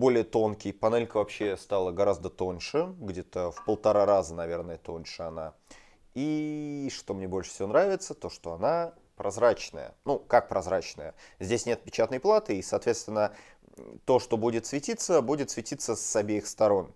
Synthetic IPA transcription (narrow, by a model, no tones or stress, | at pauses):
bo̞lʲɪjət̪o̞nkʲɪjpɐnɛlʲkəvɐpɕːest̪alˠəɡɐɾazd̪ət̪o̞nʲʂɨɡdʲe̞t̪əfpəlˠt̪ɐɾaɾazənɐvʲe̞rnəjət̪o̞nʲʂɨɐna | iʂt̪o̞mnʲebo̞lʲʂɨ̥sʲɪvʲonɾavʲɪt̪sət̪o̞ʂt̪o̞ɐna | pɾʔɐzɾat͡ɕnə̰jə̰nukak̚pɾɐzɾat͡ɕnə̰jəzʲdʲesʲnʲe̞t̪̚pʲɪt͡ɕat̪nəjplˠat̪ɨisɐːt̪vʲet̪st̪vʲɪnːə | t̪o̞ʂt̪o̞budʲɪt̪svʲɪtʲit̪səbudʲɪt̪svʲɪtʲit̪səsɐbʲejɪxst̪ɐɾo̞n